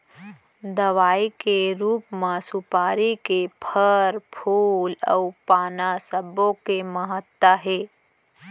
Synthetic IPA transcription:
d̪əʋaːikeɾuːpmãsupaːɾikepʰəɾpʰuːlɔ̰upaːnasəbõkeməɦət̪ːaɦeː

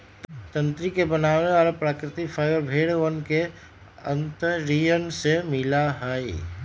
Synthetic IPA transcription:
t̪ə̃nt̪ɾikebənaːweɔːɾpɾaːkɾɪt̪ifʰəɪəɾbʱeːɽʋənke | ə̰̃nt̪əɾijənsemɪlaɦəːi

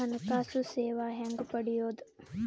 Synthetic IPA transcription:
anɐkaːsuseːʋaːɦɛŋɡupɐɖijoːd̪ə

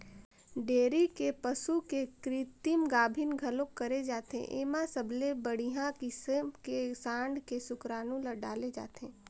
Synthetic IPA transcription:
ɖeːɾikepəsukekɾit̪imɡaːbʱɪnɡʱɐlõkɐɾed͡ʒaːt̪ḛ̃ʔḛːmãsəbʱlebəɽ̤iɦãkismkesãːɳɖkesʊkɾaːnũləɖaːled͡ʒa̰ːt̪ẽː

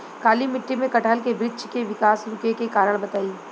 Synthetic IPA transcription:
kaːlimɪʈːimẽkɐʈəlkebɾɪdt͡ʃkeʋɪkaːsɾʊkekekaːɾəɽ̃bɐt̪aːi

